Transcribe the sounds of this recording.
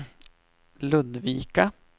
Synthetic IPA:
lɵd̪viːka

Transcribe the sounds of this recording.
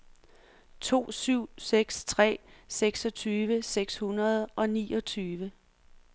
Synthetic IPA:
t͡sʰo̝̰ːsyʊ̰seɡ̥st͡sʰʁɛ̰ːseɡ̥sɒ̽t͡sʰyːʋəseɡ̥shunɐð̞ˠʔɒ̽nḭːʔɒt͡sʰyːʋə

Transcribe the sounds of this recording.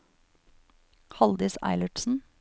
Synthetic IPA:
hɑld̪ɪsæ̰ɪləʈsn̩

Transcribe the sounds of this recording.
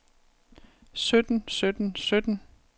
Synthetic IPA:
sød̥n̩sød̥n̩sød̥n̩

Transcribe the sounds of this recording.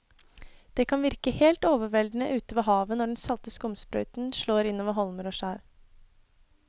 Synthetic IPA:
d̪̥ɛkʰɑnʋɪɾkəheːlt̪oːʋəʋɛld̪nəʔʉːt̪əʋɑɦɑːʋənɔɖɛnsɑlt̪əskʊmspɾœ̰ʏt̪n̩ʃɭoːɾɪnoːʋəɾɦɔlməɾoːʃæːɾ

